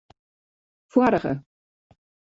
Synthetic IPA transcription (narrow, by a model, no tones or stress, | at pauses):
fwaɾəχə̰